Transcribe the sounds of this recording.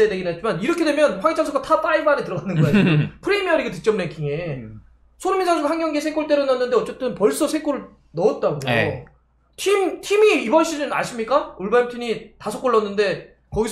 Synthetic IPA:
edeɡinɦet̚t͡ɕ͈ʰimaniɾʌkʰedwe̞mjʌnɸwaŋit͡ɕ͈ʰaŋsʰokɡ͈atʰat͈aibanetɯɾʌɡanːɯnɡʌad͡ʑiɡopʰɯɾe̞miʌɾiɡet̬ɯk̚t͡ɕ͈ʌmneŋkʰiŋe̞ | sʰoɾumind͡ʑʰaŋsʰoɡhaŋɡjʌŋɡiesʰek͈oɭt͈e̞ɾonʌnːɯnde̞ʌt͡ɕ͈e̞t͈ɯnpʌɭs͈ʌsʰek͈oɾɯɭ | nʌːt̚t͈aɡoo | tʰimtʰimiːbʌnɕ͈ʰid͡ʑɯna̰ɕʰimɲik͈auɭbaimtʰiɲitasʰʌk͈oɭːʌnːɯnde̞ | kʌɡis

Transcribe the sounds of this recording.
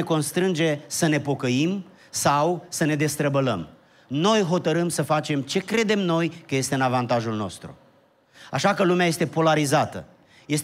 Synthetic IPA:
eko̞nst̪ɾɨnd͡ʒe̞səne̞po̞kəim | sawsəne̞d̪e̞st̪ɾəbələm | no̞jɦo̞t̪əɾɨmsəfat͡ʃe̞mt͡ʃe̞kɾe̞d̪e̞mno̞jkəje̞st̪e̞ɨnavant̪aʒulno̞̰st̪ɾṵ | a̰ʃakəlumeaje̞st̪e̞po̞laɾizat̪ə̰ | je̞s

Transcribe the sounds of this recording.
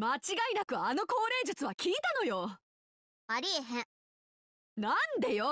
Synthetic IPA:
mat͡ɕiɡainakɯ̟ano̞ko̞ːɾe̞ːd͡ʑɯt͡sɨβakʲiːt̪ano̞jo | aɾʲieɦẽ | nãnd̪ajo

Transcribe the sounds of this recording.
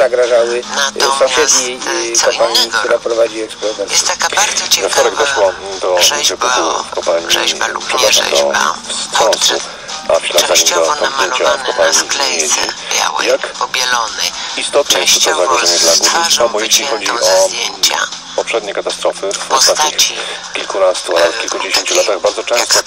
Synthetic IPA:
zaɡɾaʐawɘpɔpʂɛd̪ɲejkɔpaɲːik̚t̪uɾapɾɔvad͡ʑiɛkspɛɔɾɔvɛɾsu̥ | vɛft̪ɔɾɛɡd̪ɔʂwɔd̪ɔvɛɡɔt̪ufkɔpaɲḭpʂɛb̪aʂa̰d̪ɔ̰fst̪ʂɔ̃nsṵ | aflazaɲid̪ɔt̪ɔzd̪jeɲt͡ɕafkɔpaɲimʲed͡ʑḭjakbʲlist̪ɔt̪ɲɛuɔzaɡɾɔʐɛɲɛd̪laɡuliabɔjeɕlʲixɔd͡ʑiʔɔ | pɔpʂɛd̪̚ɲɛkat̪ast̪ɾɔfɘvɔst̪at̪ɲixikʲilkunast̪ualɛfkʲilkud͡ʑeɕeɲt͡ɕulat̪aɣbaɾd̪zɔt͡ʂɛ̃st̪ɔ

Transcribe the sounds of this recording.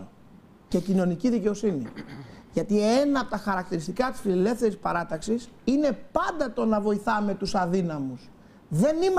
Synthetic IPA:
ce̞cino̞niciðice̞o̞sinḭʝɐt̪ie̞nɐːpot̪ɐxɐɾɐk̚t̪iɾist̪ikɐt̪i̥sfilile̞fθe̞ɾispɐɾɐt̪ɐksisine̞pɐnd̪ɐt̪o̞nɐvo̞iθɐme̞t̪usɐðinɐmus | ðe̞nim

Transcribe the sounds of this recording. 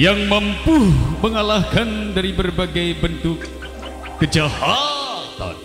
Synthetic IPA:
jaŋməmpuhməŋalahkandaɾibərbaɡajbənt̪ʊkː | əd͡ʒahat̪a̰n

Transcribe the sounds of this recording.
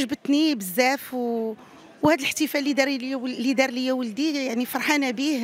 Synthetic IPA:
ʒbət̪nibəzːæfw | whæd̪əlħt̪ifælːid̪ɑɾlid̪ɑɾˤləjːæwəld̪ijaʕnifɑɾˤħanæbih

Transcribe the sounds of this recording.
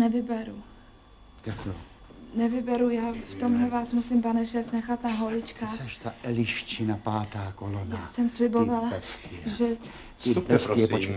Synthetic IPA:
nɛvɪbɛɾu | t̪akt̪o | nɛvɪbɛɾujaːft̪o̞mɦlɛvaːsmusɪmpanɛʃɛːfnɛxat̪naɦolɪt͡ʃkaːaʃt̪aʔɛlɪʃt͡ʃɪnapaːt̪aːkolonjaːsɛmslɪbovalaɛst̪ɛʒɛ | pɛsɛpot͡ʃ

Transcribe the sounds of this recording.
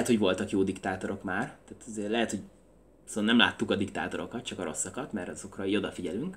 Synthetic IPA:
ɛt̪hovo̞lt̪ɒkjoːd̪ikt̪aːt̪o̞ɾo̞kmaːrt̪aːt̪ɒzeːrlɛɦɛt̪ho̞ɟ | snɛmla̰ːt̪ːukɒd̪ikt̪a̰ːt̪o̞ɾo̞kɒt̪t͡ʃɒkɒɾo̞sːɒkɒt̪mɛɾɒzo̞krɒio̞d̪ɒfiɟɛlyŋk

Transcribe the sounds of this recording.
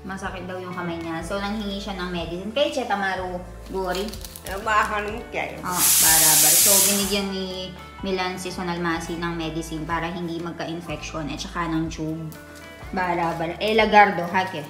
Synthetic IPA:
mɐsɐkɪt̪̚d̪ɐwjʊŋkɐmajɲaso̞nɐŋhɪŋiʃanɐŋmɛd̪ɪsɪnkɛt͡ʃɛt̪ɐmaːɾo | ɡoːɾi | ɐbaɦɐnmka̰j̰ʔoʔbaːɾabɐlso̞bɪnɪɡjanːi | mɪlɐnsɪsonɐlmaːsinɐŋmɛd̪ɪsɪnpaːɾɐɦɪnd̪imɐɡ̚kɐʔɪnfɛk̚ʃonʔɐ̰t͡ʃɐkanɐŋt͡ʃub̚ | baːɾabɐlʔɛlɐɡaɾd̪o̞ɦaːkɛ

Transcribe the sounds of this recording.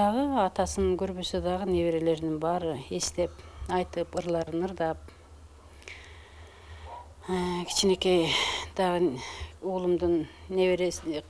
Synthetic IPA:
ɑʁəɑt̪ɑsɯnɡʰøɾbøsød̪ɑʁəne̞βeɾe̞le̞ɾd̪iŋbɑɾɯe̞st̪e̞pɑjt̪ɯpɯɾlˠɑɾɯnɯɾd̪ɑp̚ | kʲʰi̥t͡ʃine̞ke̞d̪̥ɑʁəulˠumd̪ɨnːe̞βeɾes

